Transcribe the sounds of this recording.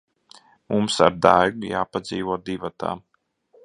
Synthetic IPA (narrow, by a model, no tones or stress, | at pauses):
mumsa̰ɾd̪a̰jɡujaːpad̪ziːvuɔd̪ivat̪a̰ː